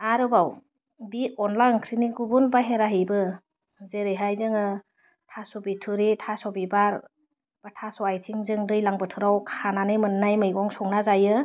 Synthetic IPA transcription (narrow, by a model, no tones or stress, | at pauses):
aɾɯbaw | biɔnlaɯŋkʰɾiniɡubunbaɦeɾaɦɯjbɯ | zeɾɯjɦajzɯŋɯ | tʰasɔbitʰuɾitʰasɔbibaɾ | b̥atʰasɔajtʰiŋzɯŋdɯjlaŋbɯtʰɯɾawkʰananɯjmɯnːajmɯjɡɔŋsɔŋnazajɯ